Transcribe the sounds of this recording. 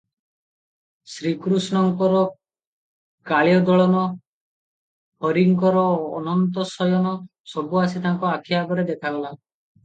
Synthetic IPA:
sɾikɾusnɔŋkɔɾɔ | kaɭjɔd̪ɔɭɔnɔ | hɔɾiŋkɔɾɔːnɔnt̪ɔsɔjɔnɔ | sɔbuasit̪aŋkɔakʰjaɡɔɾed̪ekʰaɡɔla

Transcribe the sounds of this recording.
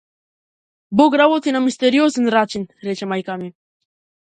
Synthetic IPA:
boɡɾawot̪ʰinamist̪eɾijoːsinɾɑːt͡ʃinɾet͡ʃemajkaːmin

